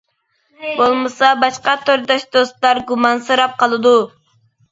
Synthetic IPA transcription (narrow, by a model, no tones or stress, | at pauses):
bolˠmɨsɑbɑʃqɑt̪ʰøɾd̪ɑʃd̪ost̪ˠɑɾɡumɑnsɨɾɑp̚qɑlˠɨd̪u